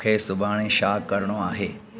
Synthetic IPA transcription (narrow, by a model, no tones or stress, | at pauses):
kʰesʊbʱaːɽ̃ẽʃaːkːəɾɳ̃õaːɦeː